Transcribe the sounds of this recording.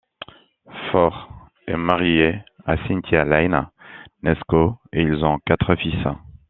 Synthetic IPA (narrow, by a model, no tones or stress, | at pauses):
fɔʁ | ɛmaʁjea̰sĩnt̪ʰjalajnanɛskoeilzɔ̃kat̪χəfisɛ̃